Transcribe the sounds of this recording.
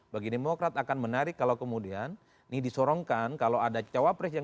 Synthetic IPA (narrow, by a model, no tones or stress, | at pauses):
baɡidemokɾat̪akanmənaɾɪkːalakəmudianː | ihdisɔɾɔŋkankalowadat͡ʃawapɾɛsja